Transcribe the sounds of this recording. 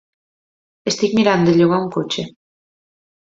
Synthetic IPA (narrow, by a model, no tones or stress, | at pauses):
est̪ikmiɾand̪oeʎoɣauŋkot͡ʃe